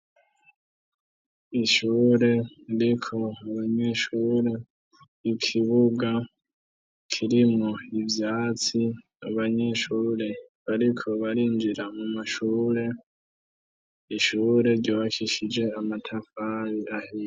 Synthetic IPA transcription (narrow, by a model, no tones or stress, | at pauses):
iʃuːɾe̞ɾikʰo̞aβaɲe̞ʃuːɾe̞ | ikʰiβuɡa | kʰiɾimŋoivjaːt͡si | aβaɲe̞ʃuːɾe̞ | βaɾikʰo̞βaɾiːnd͡ʒiɾamumaʃuːɾe̞ | iʃuːɾe̞ɾɟoːβakʰiʃid͡ʒe̞amatʰafaβiahij